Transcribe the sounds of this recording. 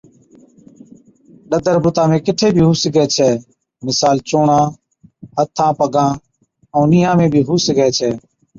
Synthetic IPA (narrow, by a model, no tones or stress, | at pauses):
ɗəd̪ʱəɾbʊt̪ãːmẽːkɪʈʰeːbʱiːɦuːsɪɡɛːt͡ʃʰɛː | mɪsaːlt͡ʃoːɳãː | hət̪ʰːãːpəɡãː | õːniːãːmẽːbʱiːɦuːsɪɡɛːt͡ʃʰɛː